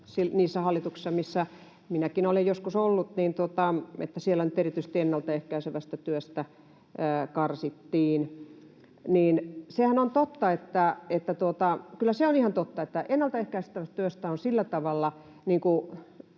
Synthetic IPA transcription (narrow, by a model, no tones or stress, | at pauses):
siniːsːæhɑlːit̪uksi̥sːɑmisːæ | minækinolejjoskusolːut̪niːnt̪uot̪ɑḛt̪ːæsielːænyt̪erit̪yisĕ̥t̪ienːɑlt̪ɑehkæiseʋæst̪æt̪yøst̪æː | kɑrsit̪ːiːn | niːnsehænont̪ot̪ːɑet̪ːæet̪ːæt̪uot̪ɑkylːæseonihɑnt̪ot̪ːɑet̪ːæʔenːɑlt̪ɑehkæiset̪ːæʋæst̪t̪yøst̪æonsilːæt̪ɑʋɑlːɑ | niːŋku